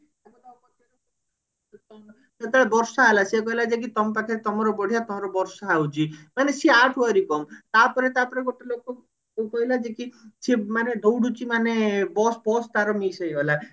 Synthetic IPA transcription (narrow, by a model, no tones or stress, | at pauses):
akɔt̪aɔpɔt̪ːjɔɾɔ | t̪ɔ | set̪aɭebɔɾsaɦalasekɔɦilad͡ʒekit̪ɔmpakʰaɾet̪ɔmɔɾɔbɔɽ̤ijat̪ɔmɔɾɔbɔɾsaɦawt͡ʃʰimanesiaʈʰwɔɾikɔmt̪apɔɾet̪apɔɾeɡoʈelokɔ | kɔɦilad͡ʒekisemaneɖowɽut͡ʃimanebɔsbɔst̪aɾɔmisejɔla